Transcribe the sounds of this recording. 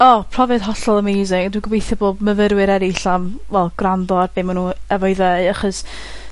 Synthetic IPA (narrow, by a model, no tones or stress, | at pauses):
ɔpʰr̥ɔvɛd̥ɦɔɬɔlˠəmejzɪŋdwɪɡəwejθɛboːd̚məvəɾwɨɾɛɾiɬamvɛlˠɡrandɔarbɪːmanuɛvɔjðejaχɔs